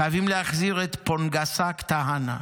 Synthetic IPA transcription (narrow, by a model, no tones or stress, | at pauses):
ajavimleaχziʁet̪ponɡasakt̪aɦana̰